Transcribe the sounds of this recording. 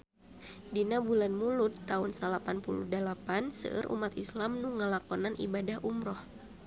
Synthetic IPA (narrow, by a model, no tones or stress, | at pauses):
dinabulanmulʊt̪ːaunsəlapanpuluhdəlapansə̰ʔə̰ɾʔṵmat̪islamnuŋəlakɔnanʔḭbadahʔumɾɔh